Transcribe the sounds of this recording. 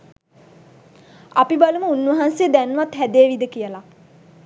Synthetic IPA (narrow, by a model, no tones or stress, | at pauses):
apibaluməunːʋaɦansejəd̪ænːʋat̪ɦæd̪eːʋid̪əkijəla